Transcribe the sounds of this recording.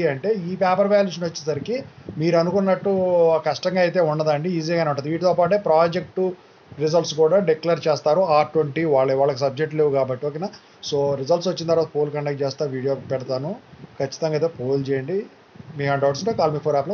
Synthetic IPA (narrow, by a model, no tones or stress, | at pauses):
iɐɳʈe̞ːiːpaːpɐɾbaːluːʂ̬ɐnɐt͡ʃːinɐsɐɾikimiːɾɐnukunːɐʈːukɐʂʈɐŋɡaːjt̪e̞ːuɳɖɐd̪ɐɳɖiiːziɡaːneuɳʈɐnd̪iʋiːʈit̪oːpaːʈ̬eːpɾaːd͡ʒek̚ʈu | ɾizɐlʈskuːɽaːɖeklɐɾt͡ʃeːst̪aːɾuaːɾʈʋɐɳʈiʋaːɭːɐiʋaːɭɐkisɐb̚d͡ʒek̚ʈleːʋukaːbɐʈːioːkenaː | soːɾizɐlʈsʋɐt͡ʃːint̪ɐɾʋaːt̪ɐpoːlkɐɳɖeːk̚ʈt͡ʃɛːst̪aːɾuʋiːɽijoːpɛɽɐt̪aːnukʰɐt͡ʃːi̥t̪ɐŋɡaːit̪eːpoːlt͡ʃɛːjɐɳɖi | miːkɐɳʈaʋɐʈsuɳʈekaːlmiːpʰoːɾaːplo